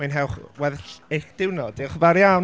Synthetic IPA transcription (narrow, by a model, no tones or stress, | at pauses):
anɦɛwˠχwɛðɬekd̥ɪwnɔd̥ɪχvaɾjaw